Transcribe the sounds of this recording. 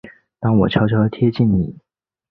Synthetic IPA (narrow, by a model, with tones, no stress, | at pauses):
t̪ɑ˥ŋwɔ˨˩t͡ɕʰjɑ˧˥ʊt͡ɕʰjɑ˧˥lt̪ʰjɛ˥t͡ɕi˥˩nnḭ˨˩˦